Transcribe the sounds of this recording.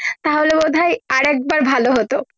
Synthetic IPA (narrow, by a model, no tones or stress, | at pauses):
t̪aɦolebod̪ʱajaɾɛk̚baɾbʱaloɦot̪o